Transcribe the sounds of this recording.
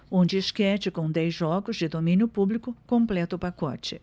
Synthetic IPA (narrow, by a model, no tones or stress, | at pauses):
õnd͡ʒɪɪskɛt͡ʃɪkõd̪ɛjzʒɔɡʊzd͡ʒɪd̪omĩnjʊpublikʊkõmplɛt̪ɐʊpakɔ̰t͡ʃɪ